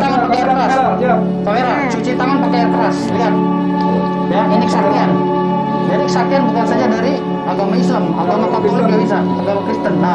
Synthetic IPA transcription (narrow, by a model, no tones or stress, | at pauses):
aŋanpakajarəɾas | t̪aeɾat͡ʃut͡ʃit̪aŋanpakajank̪əɾasliɦat̪̚ | jainikəsakian | daɾikə̥sakianbukansad͡ʒadaɾi | at̪omaislama̰t̪amakɔt̪olɪk̚dabisapəɡalokɾist̪ən